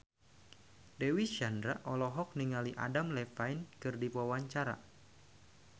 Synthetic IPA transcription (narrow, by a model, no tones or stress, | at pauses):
dɛwiʃandɾaʔɔlɔɦɔk̚niŋaliʔa̰damlɛfajnkɨrdipawaɲt͡ʃaɾa̰